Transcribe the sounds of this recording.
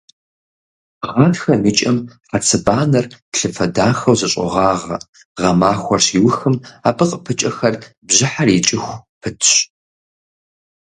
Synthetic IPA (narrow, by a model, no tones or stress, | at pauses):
ʁɐnxɐmit͡ʃʼɐmħat͡sʰɨbaːnɐrtɬɨfɐdaːxɐwzɨɕʼɪ̰ʁɑːʁɐ̰ | ʁɐmaːxʷɔrɕiwʊxɨmaːpʰɨqʼəpʰɨt͡ʃʼɐxɐr | bʑɪħarit͡ʃʼɪxʷpʰɨtʰɕ